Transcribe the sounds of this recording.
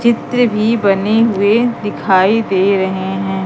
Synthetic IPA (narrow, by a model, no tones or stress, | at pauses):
t͡ʃɪt̪ɾəbʱibɐneɦʊed̪ɪkʰaːid̪eːɾɐɦeɦɛ̃ː